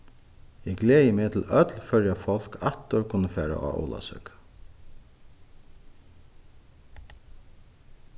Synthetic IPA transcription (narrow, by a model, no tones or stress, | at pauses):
ɛɡleːjəmeːt̪ʰɪlœt̪lfœɹjafɔl̥kʰat̪ːʊɹkʰʊnːəfæːɾa̰ʔa̰o̰ːla̰sʏ̰k